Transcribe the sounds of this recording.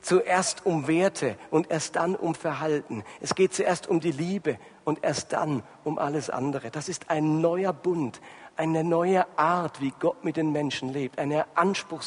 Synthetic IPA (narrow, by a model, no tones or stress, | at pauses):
t͡suʔeːɐstʰʊmveːɐtʰəʔʊntʔeːɐst̚d̥anʔʊ̰mfɛɐɦaltn̩ʔɛsɡ̥eːt̚t͡suʔeːɐstʊmdiːliːbə | ʔʊntʔeːɐst̚d̥a̰n | ʔʊmʔa̰ləsʔa̰ndəʁəd̥asɪstaɪnːɔʏɐbʊntʔaɪnənɔʏəʔaɐtv̥iːɡɔtmɪt̚d̥eːnmɛnʃn̩leːp̚tʔaɪnəʔanʃpʁ̥ʊxs